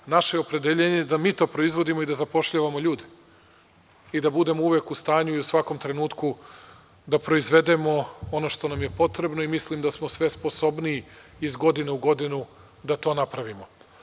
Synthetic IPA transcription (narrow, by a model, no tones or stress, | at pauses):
naʃeo̞pɾe̞d̪eʎeɲed̪amiːt̪o̞ːpɾo̞izʋo̞d̪imo̞id̪azapo̞ʃʎaʋamo̞ʎuːd̪e | id̪abud̪e̞mouʋe̞kust̪aːɲuiusʋako̞mt̪ɾe̞nuːt̪ku | d̪apɾo̞izʋe̞d̪e̞mo̞o̞no̞ʃt̪o̞namje̞po̞t̪ɾe̞bno̞imislimd̪asmo̞sʋe̞spo̞so̞bniːizɡo̞d̪ineuɡo̞d̪inu | d̪at̪o̞napɾaʋimo̞